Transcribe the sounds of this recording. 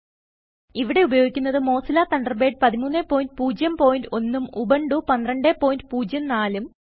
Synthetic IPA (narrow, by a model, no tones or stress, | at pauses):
iʋiɽe̞ubɐjo̞ːɡikʲːunːɐðɨmo̞ːsilaːt̪ɐɳɖɐrbeːɖ̚pɐðimuːnːepːo̞ːjndɨpuːd͡ʑjɐmpo̞ːjindɨo̞nːumubɐɳɖupɐnd̪rɐɳɖepːo̞ːjndɨpuːd͡ʑjɐmnaːlum